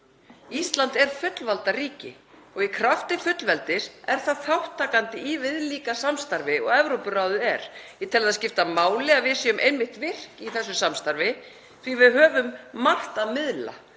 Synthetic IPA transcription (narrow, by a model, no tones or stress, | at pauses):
ist̪lant̪ɛɾ̥fʏt̪lvalt̪ariːcɪ | ɔɣikʰɾaft̪ɪfʏt̪lvɛlt̪ɪɾɛɾ̥θaðθawht̪ʰːaːkant̪ɪiːvɪðliːkasamst̪aɾvɪɔɣɛvɾowpʏraːwðʏɛɾ̥jɛt̪ʰɛlaðascɪft̪amaːwlɪaðvɪsjʏmʔejmːɪht̪vɪr̥kiθɛsːʏsamst̪aɾvɪ | θvivɪðɦœːvʏmːar̥t̪aðmɪðla̰